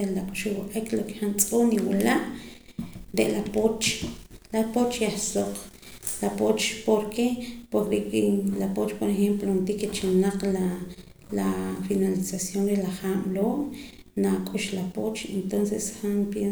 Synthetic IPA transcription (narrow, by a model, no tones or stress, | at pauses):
elakʼuʃuwaqʼekloke̥xant͡sʼoːniwalaʔ | ɾeʔlapot͡ʃlapot͡ʃjaχsoq | lapot͡ʃpoɾkepoɾeʔkilapot͡ʃpoɾexemplont̪iket͡ʃanaqla | lafinalisasjonɾelaχaːmloːʔ | nakʼuʃlapot͡ʃent̪onsesxanpje